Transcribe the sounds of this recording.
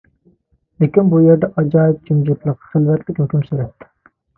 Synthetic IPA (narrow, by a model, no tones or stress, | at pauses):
lɪkʲinbujeɾd̪ɛʔɑd͡ʒɑːjit̪̚d͡ʒymd͡ʒut̪lˠəqχelvɛɾt̪lɪkʲhøkʲymsyɾɛpt̪ʰːɪ̥